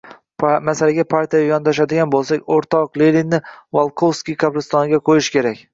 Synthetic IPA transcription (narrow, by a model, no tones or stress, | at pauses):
masalaɡʲapʰaɾt̪ʰijajɒnd̪aʃ̬ad̪ɪɡʲanbolˠsakʲoɾt̪ʰɒqlelinːɪvalˠqʰowskʲijkʰabɾɪst̪ɒnɪɡʲaqʰojɪʃkʲʰe̞ɾakʲ